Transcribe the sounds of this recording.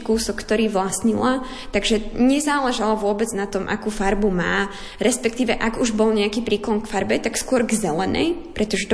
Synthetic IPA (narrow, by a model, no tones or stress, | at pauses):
kuːsɔkːt̪ɔɾiːʋlasɲila | t̪aɡʒɛɲɛzaːlɛʒalaʋʊɔbɛd͡znat̪ɔmʔa̰kuːfaɾbuma̰ː | ɾɛspɛkt̪iːʋɛʔaɡuʒbɔlɲɛakiːpɾiːklɔnkfaɾbɛt̪akskʊɔɾɡzɛlɛnɛ̰jpɾʔɛt̪ɔʒɛt̪